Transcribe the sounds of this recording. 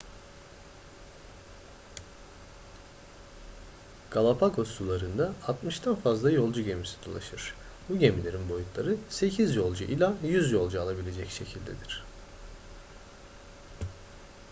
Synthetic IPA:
ɡ̥alˠapʰakʰo̞st̪ulˠaɾɯnd̪aːt̪mɯʃt̪ʰanfazlˠajo̞lˠd͡ʒuɟe̞misi̥d̪̥o̞lˠa̰ʃɯɾ̥ | buɟemilʲe̞ɾinbo̞jut̪lˠaɾɯse̞cʰizjo̞lˠd͡ʒuʔilʲajyzjo̞lˠd͡ʒualˠabilʲe̞d͡ʒɛcʃe̞cʰilʲd̪e̞̰d̪iɾ̝̥

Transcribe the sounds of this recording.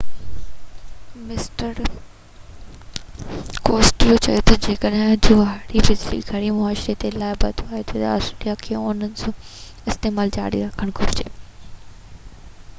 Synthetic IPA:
mɪsʈəɾ | koːsʈlt͡ɕɐ̰jot̪ɐd͡ʑeːkəɗɦɪ̃d͡ʑʊaːɽibɪd͡ʑlḭɡʱɐɽimʊaːʃɾet̪elaːɪbɐd̪ʰʱoaːɦet̪ʰɐt̪ɔːsʈːlijakʰeːʊnənɪ̆sõː | ɪst̪eːmaːld͡ʑa̰ːɽḭɾɐkʰəɽ̃ɡʰʱʊɾɪd͡ʑeː

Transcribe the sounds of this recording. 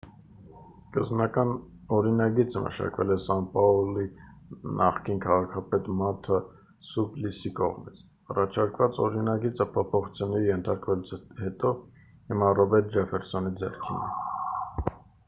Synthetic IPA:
kəznɑkɑn | ɔɾinɑɡit͡səmʔə̰ʃɑ̰kvɛlɛsɑnpɑɔlinʔɑ̰χkinkʰɑʁɑkʰɑpɛt̪mɑt̪ʰɑ | sublisikɔ̰ʁmit͡sʰ | ɑrɑt͡ʃʰɑɾkvɑt͡sɔɾinɑɡit͡səpʰɔpʰɔχut͡sʰjunɛɾijɛnt̪ʰɑɾkvɛluhɛt̪ɔ | himɑrɔbɛɾt̪d͡ʒɛfɛɾsɔnid͡zɛ̰rkʰḭnə̰

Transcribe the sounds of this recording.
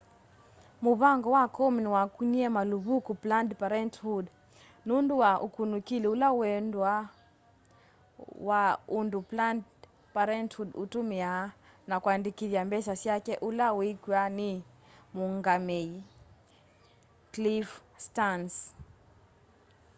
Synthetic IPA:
muβaŋɡɔwakɔminwakuɲiɛmaluβukuplandpaɾɛnthud | nunduwaʔṵkunukiliulawɛndwa | waundupland | paɾɛnthudutumia | nakwandikiðjambɛsasjakɛʔulawikwani | muŋɡamɛi | klifstans

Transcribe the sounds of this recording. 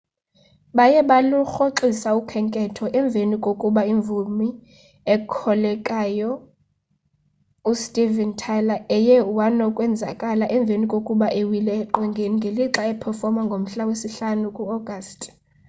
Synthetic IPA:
ɓajɛɓaluxoǁisaukʰɛŋkʼɛtʰɔʔɛɱb̪vʱenikʼokʼuɓaiɱvʱumi | ɛkʰɔlɛkʼajɔ | ustʼivɛntʰalaɛjɛwanɔkʼwɛnd͡zʱa̰kʼalaʔɛɱb̪vʱenikʼokʼuɓaʔewilɛːǃɛŋɡʱeniŋɡʱeliǁaɛpʰɛrfɔmaŋɡʱom̩ɬawesiɬanukʼuɔɡ̥ʱastʼ

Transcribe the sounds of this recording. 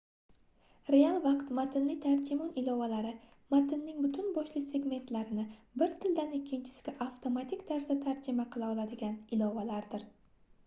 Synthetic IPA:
ɾe̞alˠvɑqt̪mat̪ʰɪnlɪt̪ʰaɾd͡ʒɪmɒnɪlɒvalaɾɪ | mat̪ʰɪnːɪŋbʊt̪ʰʊnbɒʃlɪse̞ɡʲme̞nt̪laɾɪnɪbɪɾt̪ʰɪld̪anɪkʲʰːɪnt͡ʃʰɪ̥sɪ̥ɡʲɪʔaft̪ʰo̞mat̪ʰikʲt̪ʰaɾsat̪ʰaɾd͡ʒɪmaqʰɨlˠaɒlˠad̪ɪɡʲanɪlɒvalaɾd̪ɪɾ

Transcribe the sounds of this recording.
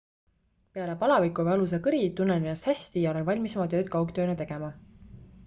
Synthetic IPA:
pe̞ɑle̞pɑlɑvikːˑuvɑlus̬ɑkɯɾit̪unːeninɑst̪hæsʲt̪ijɑo̞le̞nvɑlʲmisemɑt̪ø̞ːd̪̚kɑwkt̪øːnet̪e̞ɡ̥e̞mɑ

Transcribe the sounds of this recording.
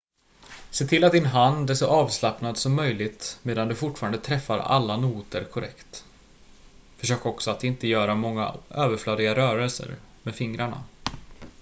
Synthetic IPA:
seːt̪ʰɪlːat̪̚d̪ɪnɦand̪æʂɔʔɑːvslapnad̪sɔmːœjlɪɡt̪meːd̪and̪ɵfʊʈfɑːɾand̪ət̪ʰɾɛfːa̰ɾa̰lːanuːt̪əɾkʰʊɾʔɛ̰kt̪ | fœʂøːkɔksɔat̪ɪnt̪əjœːɾamɔŋːa̰ʔøːvəɾflœːd̪ɪɡaɾœːɾɛlsə̰ɾmeːd̪fɪŋɾaɳa̰

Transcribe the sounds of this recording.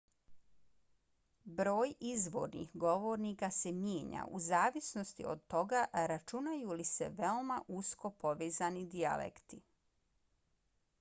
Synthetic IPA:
bɾo̞ːjizʋo̞̰ɾnḭxɡo̞ʋo̞ɾnikase̞mjeːɲa̰ʔuzaːʋisno̞st̪ḭo̰d̪̚t̪o̞ɡaɾat͡ʃunajulisḛʋeomaʔusko̞po̞ʋeːzanid̪ia̰lḛkt̪i

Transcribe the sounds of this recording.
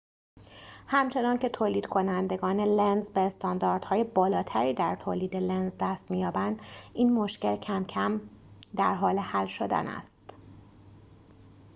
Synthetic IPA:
hæmt͡ʃʰe̞nɒːncʰe̞t̪ʰoːliːd̪̥kʰo̞nænd̪e̞ɡɒːne̞lenzbeːst̪ɒːnd̪ɒːɾd̪̥hɒːje̞bɒːlɒːt̪ʰæɾiːd̪æɾt̪ʰoːliːd̪e̞lenzd̪æst̪mijɒːbænd̪iːnmoʃce̞lcʰæmcʰæm | d̪æɾɦɒːle̞hælʃo̞d̪æ̰næ̰st̪

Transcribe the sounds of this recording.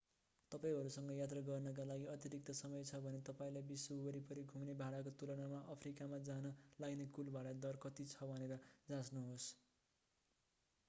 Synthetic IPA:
t̪ʌpaĩɦʌɾusʌŋɡʌjat̪̬rʌɡʌrnʌk̬alaɡiʌt̪jʌɾik̚t̪ʌsʌmʌjt͡sʰʌbʱʌnet̪ʌpaĩlajbiswʌubʌɾipʌɾiɡʱumnebʱaɽakot̪ulʌɽamaʔʌpʰrikamad͡zanʌlaɡnekulbaɽʌd̪ʌrkʌt̪it͡sʰʌbaneɾʌd͡zãsnuɦos

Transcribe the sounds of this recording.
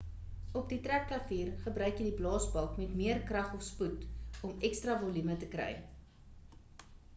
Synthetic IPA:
ɔp̚ditræk̚klɐfiːrχəbɾœɥkjədiblɑːsbɐlˠkmɛtmiərkrɐχɔfsputɔmɛkstrɑvɔlymətəkɾɛ̰j

